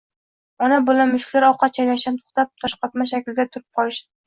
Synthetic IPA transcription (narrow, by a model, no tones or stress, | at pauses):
ɒnabɪlanmʊʃkʲlaɾɒqʰːɑt̪̚t͡ʃʰanaʃant̪ʰo̥χt̪ʰap̚t̪ʰɒʃqɑt̪maʃ̬akʲlɪd̪at̪ʰʊɾɪp̚qʰɒlˠɪʃd̪ɪ